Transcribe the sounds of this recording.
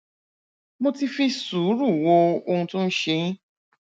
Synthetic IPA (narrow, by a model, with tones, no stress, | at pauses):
mo˧ti˧fi˧su˨˦ɾu˦˨wo˧o˧hũ˧tũ˦˧n̩˦ʃe˧jĩ˦